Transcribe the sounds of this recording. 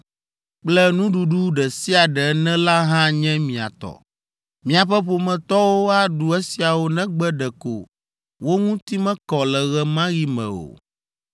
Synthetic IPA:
k͡plɛ˦nũ˦ɖu˨ɖu˦ɖɛ˨si˦a˨ɖɛ˨˦nɛ̃˦la˦ɦã˦ɲɛ̃˦mĩ˨a̰˨t̪ɔ̰˨ | mĩ˨a˨ɸɛ˦ɸo˨mɛ̃˨t̪ɔ˦wo˦a˦ɖu˨ɛ˦si˨a˨wo˦nɛ̃˦ɡ͡bɛ˦ɖɛ˨ko̰˨ | wo˦ŋũ˦t̪i˦mɛ̃˦kɔ˨lɛ˨ɣɛ˨mã˦ɣi˦mɛ̰̃˨o̰˨

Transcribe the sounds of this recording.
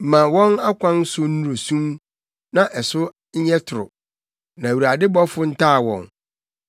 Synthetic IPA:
m̩˨mã˨wɔ̃˦na˦kʷʰã˦n˦sʊ˦nu˦ɾo˨sũ˦m | nã˨ʔɛ˨sʊ˦ | ɲ̩˦ɲɛ˦tʰʊ˨ɾʊ̰˨ | nã˨wu˨ɾa˨dɪ˦bɔ˦fʊ˦n̩˦tʰaː˦˨wɔ̰̃˨ŋ

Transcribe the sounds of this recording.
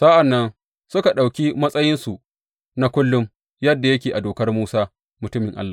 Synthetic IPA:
sa˦ʔa˨nːɐ˦n | sʊ˦ka˨ɗa˨wkʲi˦mɐ˦sʼɐ˦jɪ˦nsu˨ʔ | na˦kʷʊ˦lːʊ˦m | jɐ˦dːa˨jɐ˦k̬ʲeː˨ʔa˨doː˨kɐ˦rmuː˦saː˦ | mʊ˨tʊ˦mɪ˨ŋʔa̰˦lːaː˨

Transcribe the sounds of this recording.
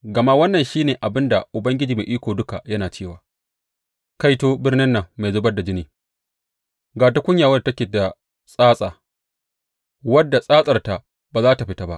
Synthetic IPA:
ɡɐ˨ma˦wɐ˦nːɐ˨nʃiː˦neː˨ʔa˨bɪ˦nda˨ʔʊ˨bɐ˦ŋɡʲɪ˦d͡ʒiː˨me˨ʔiː˦kʷoː˨dʊ˦ka˨jɐ˦naː˨t͡ʃeː˦˨waː˨ | ka˦jtoː˦bɪ˦rnɪ˦nːɐ˨ŋma˨jzoː˦bɐ˦da˨d͡ʒɪ˦niː˨ | ɡaː˨ta˦kʷʊ˦ɲjaː˨wɐ˦˨tɐ˦kʲeː˨da˨ | sʼaː˦sʼaː˨ | wɐ˦dːa˨sʼaː˦sʼɐ˨rta˨ | baː˨zaː˦ta˨ɸɪ˦ta˦ba̰˦ʔ

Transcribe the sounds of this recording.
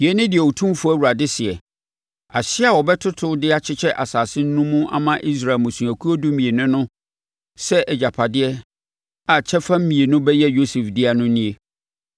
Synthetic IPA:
jɛ˦nɪ̃˦dɪ˨ɛ˨wo˨tʰũ˦fʊ˦æ˦wu˨ɾa˨dɪ˦sɪ˨ɛ˨ | a˨ɕɪ˦a˨wɔ˨bɛ˦tʰʊ˦tʰʊ˦dɪ˦a˨t͡ɕʰɪ˦t͡ɕʰɛ˦ʔa˨saː˨sɪ̃˦n̩˦nũ˦mũ˦a̰˨mã˦ʔi˦s̬ɾa˨lmʊ̃˨su˨æ˨kʰu˦o˦du˦mĩ˨e˨nʊ̃˦nʊ̃˦ | sɛ˦ʔɛ˨d͡ʑa˨pʰa˨dɪ˦ɛ˦ | a˨t͡ɕʰɛ˦fã˦m̩˦mĩ˨e˨nʊ̃˦bɛ˦jɛ˦jo˦sɛ˨fdɪ˦a˨nʊ̃˦nĩ˦e˦

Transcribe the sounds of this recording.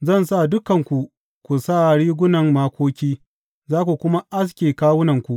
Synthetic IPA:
zɐ˦˨nsa˦˨dʊ˦kɐ˨ŋkʷu˨ | kʷu˨sa˦˨ɽiː˦ɡʷʊ˦nɐ˨ŋmaː˦kʷoː˦kʲiː˦ | zaː˦kʷu˨kʷʊ˦ma˦ʔa˦s̬kʲeː˨kaː˦wʊ˦nɐ˨ŋkʷu˨ʔ

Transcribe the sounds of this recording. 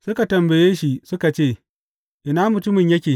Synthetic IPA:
sʊ˦ka˨tɐ˨mbɐ˨jeː˦ʃi˨sʊ˦ka˨t͡ʃeː˦˨ | ʔɪ˨naː˦mʊ˨tʊ˦mɪ˨ɲjɐ˦kʲeː˨

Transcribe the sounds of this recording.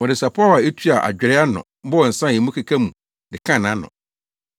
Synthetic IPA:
ɔ̃˨dɪ˨sa˨pʰɔ˦˨wa˨e˦tʰu˦a˨ʔa̰˨d͡ʑᶣɪ˨ɾɛ˦a˦nʊ̰̃˨m̩˦bɔ˦ɔ˨n̩˨sã˦˨ɛ˨mũ˦kʰa˨kʰa˦mũ˨ | dɪ˨kʰã˦˨nã˨˦nʊ̰̃˨

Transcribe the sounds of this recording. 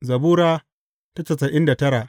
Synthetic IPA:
zɐ˨buː˦ɾaː˦ | ta˦t͡ʃɐ˨sɐ˨ʔɪ˦nda˨tɐ˦ɾaː˨ʔ

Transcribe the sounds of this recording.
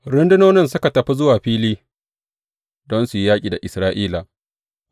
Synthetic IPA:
ɾɪ˦ndɪ˦noː˦nɪ˦ns̬ʊ˦ka˨tɐ˨ɸi˦zʊ˦waː˨ɸiː˦liː˦ | dɔ˦nsu˨ji˦jaː˦kʲʼiː˨da˨ʔɪ˨sɾaː˦ʔiː˦la˨

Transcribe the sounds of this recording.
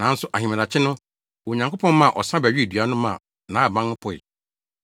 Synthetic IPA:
nã˨˦n̩˦sʊ˦ʔa˨ɦĩ˨mã˨a˨t͡ɕʰɪ˦nʊ̃˦ | wo˨ɲã˨ŋkʰo˦pʰɔ̃˦nmã˦˨ʔɔ̰˨sã˦bæ˨ɥᶣi˦˨dɥa˦nʊ̃˦mã̰˨ | nã˨˦˨bã˦nʊ̃˦pʰɔ˨ɪ̰˨

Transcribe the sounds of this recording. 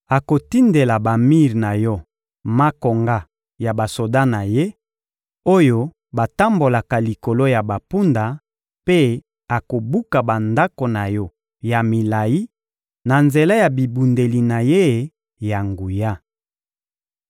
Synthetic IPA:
a˨ko˨ti˦nde˨la˨ba˨mi˦ʁna˨jɔ˦ | ma˦ko˨ŋɡa˦ | ja˨ba˨so˨da˦na˨je˦ | o˦jo˦ | ba˨ta˦mbo˨la˨ka˨li˨ko˨lo˦ja˨ba˨pu˦nda˨ | pe˦ | a˨ko˨bu˦ka˨ba˨nda˦ko˨na˨jɔ˦ | ja˨mi˨la˨ji˦ | na˨nze˨la˦ja˨bi˨bu˨nde˨li˨na˨je˦˨ | ja˨ŋɡu˨ja˦

